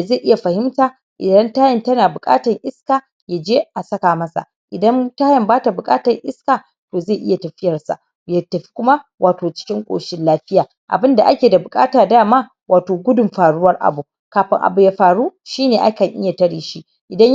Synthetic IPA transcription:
ze˦˨ʔɪ˦ja˨ɸɐ˨hɪ˦mtaː˨ | ʔɪ̰˨dɐ˦ntaː˦jɐ˨ntɐ˦naː˨bʊ˨kʼa̰ː˦tɐ˨ŋʔɪ˦skaː˨ | ja˨d͡ʒeː˦ʔa˨sɐ˦kaː˨mɐ˦sa̰˨ | ʔɪ˨dɐ˦ntaː˦jɐ˨mbaː˦ta˨bʊ˨kʼaː˦tɐ˨ŋʔɪ˦skaː˨ | toː˨ze˦˨ʔɪ˦ja˨tɐ˨ɸɪ˦jɐ˨rsa̰˨ | ja˨tːɐ˨ɸi̥˦kʷʊ˦ma˦wʔaː˨toː˨t͡ʃɪ̥˦kʲɪ˦ŋkʷʼo̰ː˨ʃɪ˦nlaː˦ɸɪ˦jaː˨ | ʔa̰˨bɪ˦nda˨ʔa˦kʲeː˨da˨bʊ˨kʼa̰ː˦taː˨daː˦˨maː˦ | waː˨toː˨ɡʷʊ˦dʊ˨mɸaː˨ɽʊ˦wɐ˦rʔa̰˨bu˨ | kaː˨ɸɪ̰˦ŋʔa̰˨bu˨jaː˨˦ɸaː˨ɽu˦ʃiː˦neː˨ʔa̰˦kɐ˨ŋʔɪ̰˦ja˨tɐ˦ɽiː˨ʃi˦ | ʔɪ˨dɐ˦ɲ

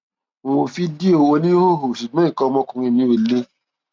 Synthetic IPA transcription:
õ˨o˨fi˦di˦o˨o˧nĩ˦ho˦˨ɦo˨ʃu˨ɡ͡bɔ̃˨˦ĩ˦˨kɔ˧mɔ̃˧kũ˨ɾĩ˧˨mĩ˨˦o˨˧˨le˦

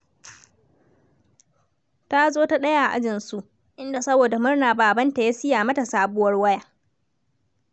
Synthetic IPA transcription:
ta˦zoː˦ta˦ɗɐ˦ja˦ʔa˨ʔa̰˦d͡ʒɪ˨nsu˦ʔ | ʔɪ˦nda˨sɐ˦boː˨da˨mʊ˦rnaː˨baː˨bɐ˦nta˨ja˦sɪ˦jaː˨mɐ˦ta˨saː˦bʊ˦wɐ˦rwɐ˦jaː˦

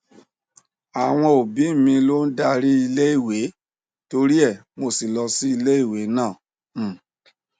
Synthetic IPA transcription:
a˨w̃ɔ̃˧o˨bi˨˦˨mĩ˧lo˦n̩˦da˧ɾi˦i˧le˦i˦˨we˨˦ | to˧ɾi˦ɛ˦˨ | mo˧si˨lɔ˧si˦i˧le˦i˦˨we˨˦nãː˦˨˦

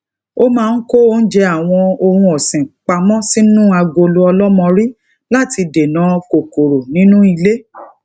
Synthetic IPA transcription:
o˦mãː˦˧n̩˦ko˦o˦n̩˦d͡ʒɛ˧˦a˦˨w̃ɔ̃˧o˧hũ˧ɔ˨sĩ˨k͡pa˧mɔ̃˦si˦nũ˦a˧ɡo˧lu˦ɔ˧lɔ˦mɔ̃˧ɾi˦ | la˦ti˧de˨nã˨˦ko˨ko˨ɾo˨nĩ˦nũ˦i˧le˦

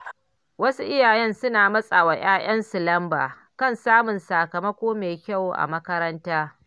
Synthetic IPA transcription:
wɐ˦su˦ʔɪ˦jaː˨jɛ˦nsʊ˦naː˨mɐ˦sʼa˨wa˨j̰aː˦j̰ɐ˦nsʊ˨lɐ˦mba̰ː˨ | kɐ˦˨nsaː˦mʊ˨nsaː˨kɐ˨mɐ˦kʷoː˦meː˨kʲa˦˨wʔa̰˨mɐ˦kɐ˦ɾɐ˦ntaː˦

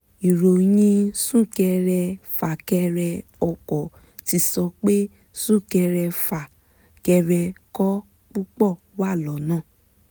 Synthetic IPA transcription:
i˨ɾo˨j̃ĩ˧sũ˦˨kɛ˧ɾɛ˧fa˨kɛ˧ɾɛ˧ɔ˧kɔ˨ | ti˧sɔ˧k͡pe˦ | sũ˦˨kɛ˧ɾɛ˧fa˨ | kɛ˧ɾɛ˧kɔ˦ | k͡pu˦k͡pɔ˦˨ | wa˦˨lɔ˨˦nãː˦˨

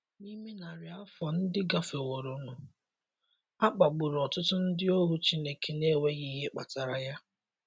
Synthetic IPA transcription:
ni˦me˦na˨ɾɪ˨a˦fɔ˨n̩˦dɪ˦ɡa˦fe˨wo˨ɾʊ˨nʊ˨ | a˦k͡pa˨ɡ͡bu˨ɾɔ˨tʊ˦tʊ˦n̩˦dɪ˦o˦ɦu˦t͡ʃi˦ne˨ke˨ne˦we˦ɣi˦ɦe˦k͡pa˨ta˨ɾa˨ja˦

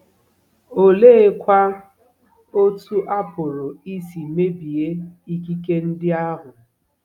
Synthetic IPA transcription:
o˦le˦e˦kʷa˦ | o˦tu˦ʔa˦pʊ˨ɾʊ˨i˦si˨me˦bi˨e˦i˦ki˦ke˦n̩˦dɪ˦a˦ɦʊ˨

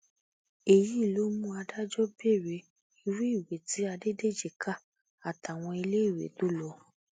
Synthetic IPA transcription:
e˨ji˨˦˨lo˦mũ˦a˧da˦d͡ʒɔ˦be˦˨ɾe˧˨ | i˧ɾu˦i˦˨we˨ti˨˦a˧de˦de˦˨d͡ʒe˨ka˦˨ | a˨ta˨w̃ɔ̃˧i˧le˦i˦˨wḛ˨to˦lɔ˧˦

